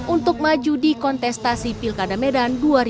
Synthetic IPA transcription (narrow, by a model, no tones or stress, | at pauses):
ʔunt̪ʊk̚mad͡ʒudikɔnt̪ɛst̪asipilkadamɛdanduaɾ